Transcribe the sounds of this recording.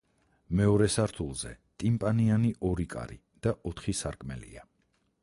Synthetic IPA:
mɛɔɾɛsaɾt̪ʰulˠz̥ɛt̪ʼimpʼanianiʔɔɾikʼa̰ɾi | d̪̥aʔɔt̪ʰχisaɾkʼmɛ̰lḭa

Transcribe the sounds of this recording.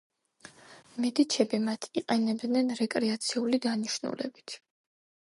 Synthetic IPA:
mɛd̪it͡ʃʰɛbimat̪ʰiqʼɛnɛbd̪nɛnɾɛkʼɾɛat̪sʰiulid̪aniʃnṵlɛ̰bit̪ʰ

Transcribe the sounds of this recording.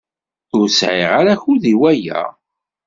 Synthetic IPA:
ʊɾsʕɪ̰ʁaɾæçʊðiwæjæ̰

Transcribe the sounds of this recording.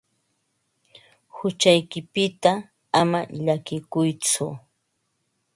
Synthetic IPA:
hʊt͡ʃajkɪpɪt̪a | amaʎakɪkʊjt͡sʊ

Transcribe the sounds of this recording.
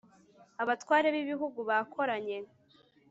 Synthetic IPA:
aβatkwaːɾe̞βiβiɦuɡuβakʰo̞ɾaɲe̞

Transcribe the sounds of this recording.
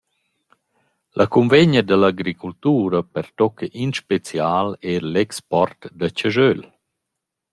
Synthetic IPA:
lʔakunveɲəd̪əlaɡɾikult̪uːɾəpɛɾt̪ɔkeʔinʃpet͡sjaːlɛɾlɛkspɔɾt̪d̪ət͡ɕəʒøl

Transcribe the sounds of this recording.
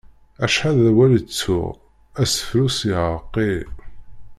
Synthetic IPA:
æʃħaðæwælt͡sːʊ̰ʁ | æsə̥flusiʕəqːi

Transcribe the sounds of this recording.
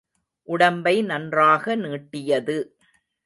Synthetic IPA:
ʔʊɽɐmbɐɪnɐndraːɣɐniːʈːɪjɐðɯ

